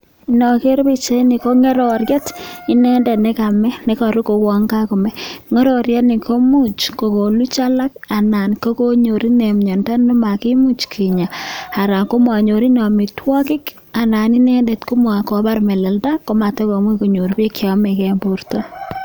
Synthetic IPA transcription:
inɔ˨ke˦ɾpi˦t͡ʃe˦ni˨ko˦ŋe˦ɾo˨ɾjɛ˦ti˦nɛ˦ndɛ˨ne˦kamɛ˦ne˦ka˨ɾu˦ko˨kwɔ˨ŋɡa˦ku˨mɛ˦ŋɔ˦ɾo˨ɾjɛ˦tni˨ko˦mu˦t͡ʃko˨ko˨lu˦t͡ʃa˦la˦k̚a˨na˨nko˦ko˦ɲo˨ɾi˦ne˨mɲɔ˨nda˦no˦ma˨ki˦mu˦t͡ʃkʰi˨ɲa˨a˨ɾa˨ŋko˦mwa˨ɲo˨ɾi˦nɔ˨mi˨twɔ˦kɪ˦k | a˨na˨ni˦nɛ˦nde˨tku˦mwa˨ko˨ba˦ɾme˨lɛ˨lda˦ko˦ma˨te˦ko˨mwi˦ku˨ɲo˨ɾbi˦kjɔ˦me˨kɛ˦mbu˦rto

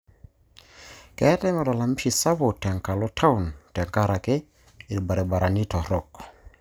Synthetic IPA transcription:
kɛ˨˦tɛ˦mɛ˨lɔ˨la˨m˦ʃi˨sa˦bo˨tɛ˨ŋka˨lɔ˦tʰa˦u˨ntɛ˨ŋka˦ɾa˨ke˦ | i˨ɾba˨ɾe˨ba˨ɾa˨ni˦tɔ˨ɾɔ˦˨k

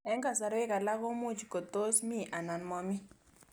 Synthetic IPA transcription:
ɛ˦ŋka˨sa˨ɾɛ˦ka˨la˦kɔ˦mu˦t͡ʃko˨t̪o˦smi˦˨ʔa˨na˨nmɔ˦mi˦

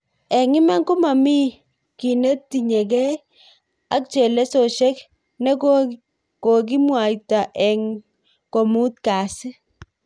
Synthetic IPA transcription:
ɛ˨ŋɪ˦ma˦ŋku˦ma˨mi˦ | ki˨nə˦tːi˨ɲe˨kɛ˦ | a˨k̚t͡ʃe˨le˦so˨ʃɛ˦k | nɛ˦ | ko˨k̬i˦mwa˨jta˨ʔɛ˨ŋ | ko˨mu˦tka˨sɪ˦

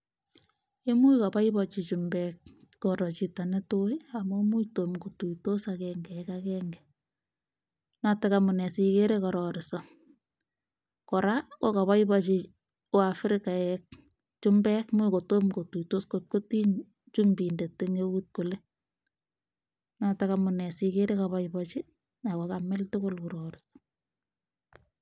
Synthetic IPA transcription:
e˦mu˦jka˨pa˦ɪbɔt͡ʃi˨t͡ʃumbɛkkɔɾɔ˨t͡ʃita˨nɛ˦to˦ja˨momu˦jto˨mko˨tu˨to˦sakɛːŋɡɛ˨ɛkakɛŋɡɛ | natɛkamʊ˨nɛ˨si˨ke˦ɾekɔ˨ɾɔɾɪ˨sɔ | kɔ˨ɾa˦kɔ˦ka˨βa˦ɪbat͡ʃi˨ | ʊ˦a˨fɾɪka˨ɛk̚ | t͡ʃʊ˦mbɛ˦kmʊ˦ko˨to˦mko˨tu˨to˦skot̚ko˦ti˦ɲ | t͡ʃumbi˨nde˨tːeŋewut̚ko˨le˦ | natakamʊnɛ˨sike˦ɾe˦ka˨βaɪbɔt͡ʃɪ˦ | na˨kɔkamɛ˦ltʊ˦kʊlkʊɾɔɾɪsɔ̥

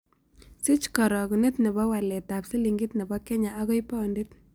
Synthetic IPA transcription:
si˦t͡ʃkɔ˨ɾɔ˨ku˨ne˦tnɛ˨bɔ˦wa˨lɛ˨ta˨psi˦li˨ŋɡi˦tnɛ˨bɔ˦kɛ˦ɲa˨a˦ɣɔ˦jpɔ˦ndi˦t

